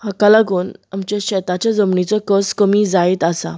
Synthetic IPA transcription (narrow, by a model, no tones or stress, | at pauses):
hakalaɡuːnamt͡ɕaɕɛt̪at͡ɕjad͡zəmɳit͡sɔkəskəmiːd͡zait̪asa̰